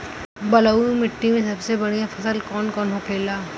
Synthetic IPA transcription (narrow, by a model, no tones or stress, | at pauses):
bɐlauĩmɪʈːimẽsɐbsebɐɽijãfɐsəlkɔːnkɔːnɦoːkʰeːlaː